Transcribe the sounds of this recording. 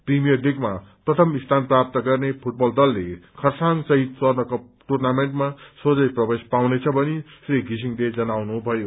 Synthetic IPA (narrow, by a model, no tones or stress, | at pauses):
primijʌrliɡmaprʌt̪ʰʌmist̪ʰanprap̚t̪ʌɡʌrnepʰuʈ̚bʌld̪ʌlːekʰʌrsaŋsʌɦit̪̚t͡sʌrnʌkʌ | ʈurnameɳʈmasod͡zʌjprʌbespawnet͡sʰʌbʱʌnisriɡʱis̬iŋled͡zʌnawnubʱʌjo